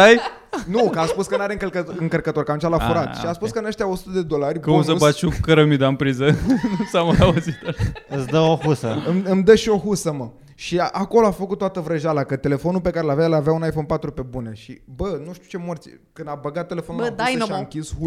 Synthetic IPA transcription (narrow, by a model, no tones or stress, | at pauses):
aj | nukəaspuskənaɾeɨŋkəlkəɨŋkərkət̪o̞rkamt͡ʃalafuɾat̪ʃiaspuskəɨnəʃt̪ʲjao̞su̥t̪əd̪e̞d̪o̞larʲkusəsbat̪ʃukəɾəmid̪ampɾizənusamaauzit̪ɨsd̪əohusəɨmɨmd̪əʃio̞ɦusəmə | ʃiaʔako̞loafəkut̪t̪ːowat̪əvɾəʒalakət̪e̞le̞fo̞nulpe̞kaɾelavjaelavjaunajfo̞npat̪ɾupe̞buneʃḭbənuʃt̪iut͡ʃe̞mort̪sikɨnd̪abəɡat̪ːe̞le̞fonllad̪aʃaɨŋkʲishu